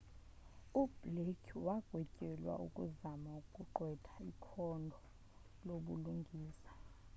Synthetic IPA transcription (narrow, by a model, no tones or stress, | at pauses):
ub̥lekʰwaɡ̥ʱwɛcʼɛlwa̰ukʼuzamaukʼuǃwɛtʰḁikʰɔndʱɔ | loɓuluŋɡʱiːsḁ